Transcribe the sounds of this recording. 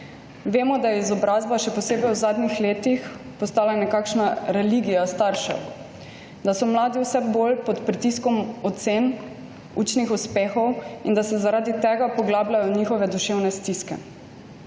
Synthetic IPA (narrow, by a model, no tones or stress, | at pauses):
ʋeːmɔd̪ajɛizɔbɾaːzbaʃɛpɔseːbɛjwuzaːd̪nixleːt̪ixpɔst̪aːlajnɛkakʃnaɾɛliɡijast̪aːɾʃa̰ | d̪asɔmlaːd̪iwsɛbolpɔt̪pɾit̪iskɔmɔt̪sen | uːt͡ʃnixuspeːxɔwind̪asɛzaɾaːd̪it̪ɛɡapɔɡlaːblʲajɔɲiːxɔʋɛd̪uʃewnɛst̪iskɛ̰